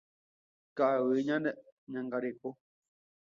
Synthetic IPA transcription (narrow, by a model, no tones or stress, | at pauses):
kawɨɲãndəʔɲãŋɡaɾeko